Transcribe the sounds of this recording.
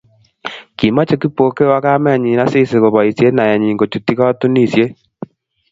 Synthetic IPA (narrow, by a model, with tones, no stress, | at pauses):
ki˨ma˦t͡ʃe˨ki˦po˨ke˦wa˦ka˦mɛ˦˨ɲi˨na˦si˦se˨ɣo˨βɔ˨i˨sje˦na˨a˨ɲi˨ŋɡo˨t͡ʃu˨ti˦ɣa˦tu˦ni˦˨sje˦